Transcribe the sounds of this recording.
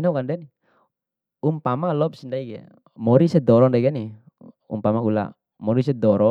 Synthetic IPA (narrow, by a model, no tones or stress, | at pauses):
inaukandɛni | umpamalɔp̚sindaiɡɛ̰ | mɔɾisɛd̪ɔɾɔŋndaiɡɛni | ṵmpamaula̰ | mɔɾis̬ɛd̪ɔɾɔ